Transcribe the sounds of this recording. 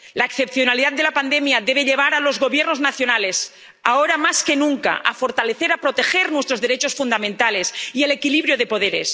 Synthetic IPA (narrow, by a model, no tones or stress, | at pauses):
laekθepθjonaliðat̪̚d̪e̞lapand̪emjaðeβ̞eʎeβ̞aɾalo̞zɣo̞βjeɾnoznaθjo̞nales | aoɾamaskenũŋka̰ʔa̰foɾt̪aleθeɾapɾot̪exeɾnwe̞st̪ɾoðeɾet͡ʃosfund̪amẽnt̪alesiele̞kiliβɾjoð̞e̞poð̞eɾḛs